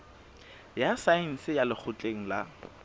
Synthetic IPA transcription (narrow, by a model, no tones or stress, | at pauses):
jasain̩sɪjalɪk͡xʰʊt͡ɬʼeŋ̩la